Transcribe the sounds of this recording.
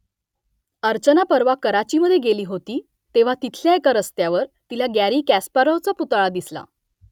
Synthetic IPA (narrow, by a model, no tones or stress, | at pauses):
əɾt͡ɕənapəɾʋakəɾat͡ɕiməd̪ʱjeɡeliːɦot̪iː | t̪eʋ̤at̪it̪ʰljaekaɾəst̪jaʋəɾt̪ilaɡæɾiːkæspəɾət͡səput̪aɭad̪isla̰